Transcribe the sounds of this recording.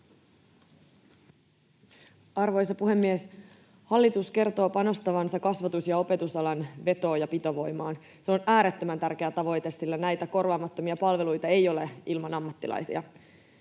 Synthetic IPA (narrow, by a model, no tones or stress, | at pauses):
ɑrʋo̞jsɑpuhe̞mːies | hɑlːit̪uske̞rt̪o̞ːpɑno̞st̪ɑʋɑnsɑkɑsʋɑt̪usjɑo̞pe̞t̪usɑlɑnʋe̞t̪o̞ːjɑpit̪oʋo̞jmɑːn | seo̞næːɾet̪ːømænt̪ærk̟e̞æt̪ɑʋo̞jt̪e̞sːilːænæjt̪æko̞rʋɑːmɑt̪ːo̞miɑpɑlʋe̞lujt̪ɑe̞jo̞le̞ilmɑnɑmːɑt̪ːilʔɑ̰jsḭɑ̰